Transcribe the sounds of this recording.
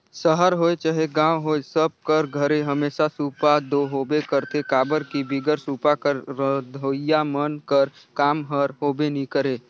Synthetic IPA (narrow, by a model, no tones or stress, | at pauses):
səɦəɾɦoːet͡ʃəɦeɡãːwɦoːesəb̚kəɾɡʱəɾeɦəmeːsasuːpad̪oɦoːbekəɾt̪ekaːbəɾkibɪɡəɾsuːpakəɾɾəd̪ʱojamənkəɾ | kaːmɦəɾɦoːbenikəɾeː